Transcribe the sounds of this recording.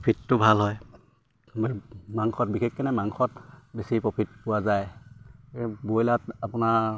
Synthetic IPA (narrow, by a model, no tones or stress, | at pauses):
pʰitːʊbʱalɦɔj | maŋxɔt̚bikʰekːanɛmaŋkʰɔtbesipɹɔpʰit̚pʊwazaj | bojlatapʊna